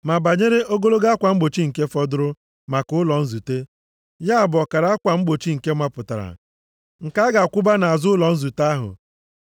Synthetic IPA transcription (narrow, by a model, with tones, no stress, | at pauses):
ma˨ba˨ɲe˦ɾe˦o˦ɡo˦lo˦ɡa˦a˦kʷa˨ŋ͡m̩˦ɡ͡bo˨t͡ʃi˦ŋ̩˨ke˦fɔ˦dʊ˦ɾʊ˦ | ma˨kʊ˦lɔ˨n̩˦zu˨te˦ | ja˦a˨bɔ˨ka˨ɾa˨˦a˦kʷa˨ŋ͡m̩˦ɡ͡bo˨t͡ʃi˦ŋ̩˨ke˦mʷa˦pʊ˨ta˨ɾa̰˨ | ŋ̩˨ka˦ɡa˨kʷʊ˦ba˦na˨a˨zʊ˦ʊ˦lɔ˨n̩˦zu˨ta˦ɦʊ̰˨